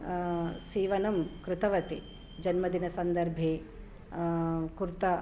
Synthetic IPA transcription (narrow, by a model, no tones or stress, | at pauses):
siːʋɐnɐmkɾɪt̪ɐʋɐt̪i | d͡ʒɐnmɐd̪ʱinɐsɐnd̪ɐɾbʱeː | kuɾt̪ɐ